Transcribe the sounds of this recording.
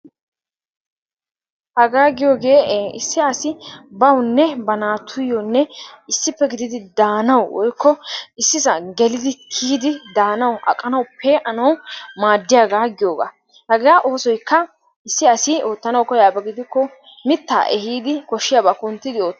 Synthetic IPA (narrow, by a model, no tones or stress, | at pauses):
hɐɡaːɡɪjo̞ːɡe̞ːɪsːɪɐsɪbɐwnːɛbɐnaːt̪ʰʊjɔnːɛɪsːɪpːɛɡɪd̪ɪd̪ɪd̪aːnɐwwɔ̰jkʰːɔɪsːɪsɐɡɛlɪd̪ɪkʰiːd̪ɪd̪aːnɐwʔɐ̰kʼːɐnɐwʊpʰːeːʔɐnɐwmaːd̪ːɪjaːɡaːɡɪjo̞ːɡa̰ː | hɐɡaːʔo̞ːsɔjkːɐ | ɪsːɪɐsɪo̞ːt̪ːɐnɐwkɔjaːbɛɡɪd̪ɪkːɔ | mɪt̪ːa̰ːʔɛhiːd̪ɪkɔʃːɪjaːbakʊnt̪ːɪd̪ɪo̞ːt̪ː